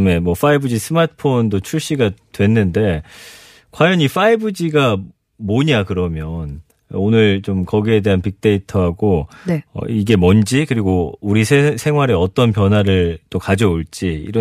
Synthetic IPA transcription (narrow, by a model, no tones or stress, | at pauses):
me̞mwʌf͈aibɯd͡ʑisʰɯmatʰɯ̥pʰondot͡ɕʰuɭɕ͈iɡatwe̞nːɯnde̞ | kwajʌɲifaibɯd͡ʑiɡa | moɲakɯɾʌmjʌn | onɯɭt͡ɕomkʌɡie̞de̞ɦanpik̚t͈e̞itʰʌɦaɡonʌ̰iɡe̞mʌnd͡ʑikɯɾiɡouɾisʰesʰe̞ŋɦwaɾe̞ʌt͈ʌnpjʌnwaɾɯɭt͈okad͡ʑʌoɭt͡ɕ͈iḭɾʌ